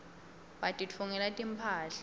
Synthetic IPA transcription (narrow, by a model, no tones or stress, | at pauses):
batʼit͡fʰuŋɛlatʼimpʰaːɬḁ